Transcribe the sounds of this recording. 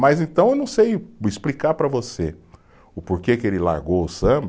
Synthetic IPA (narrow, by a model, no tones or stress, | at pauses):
majzẽt̪ɐ̃ewnɐ̃w̃sejɪsplikaɾpɾɐvose | ʊpoɾkekɪelɪla̰ɾɡowʊsɐ̃b